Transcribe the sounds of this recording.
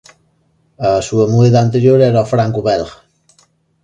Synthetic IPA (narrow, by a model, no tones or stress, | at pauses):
asuamueðaant̪eɾjoɾɛɾaofɾaŋkuβɛlɣ